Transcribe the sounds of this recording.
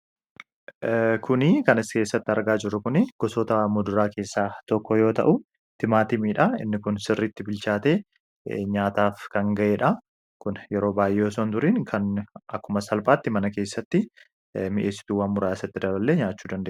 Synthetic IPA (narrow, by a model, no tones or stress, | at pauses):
kʰʊnɪkɐnɪske̞ːsːɐt̪ːɪɐɾɡaːd͡ʒɪrːʊkʊnɪɡ̥ɔsoːt̪ɐmʊd̪ʊɾaːke̞ːsːaːt̪ɔkːɔjo̞ːt̪ɐ̰ʔʊ | t̪ɪmaːt̪ɪmiːᶑɐɪ̰nːɪkʊnsɪrːiːt̪ːɪbɪlt͡ʃaːt̪e̞ː | ɲaːt̪aːfkɐŋɡɐʔeːᶑɐ | kʊnjɛɾo̞ːbaːjʔɛoɔsoːnt̪ʊɾiːnkʰɐnɐkːʊmɐsɐlpʼaːt̪ːɪmɐnɐke̞ːsːɐt̪ːɪ | mɪʔeːsːɪ̥t̪uːwɐnmʊɾaːɪsɐt̪ːɪd̪ɐbɐlːeːɲaːt͡ʃːuːd̪ɐnd̪eːʔ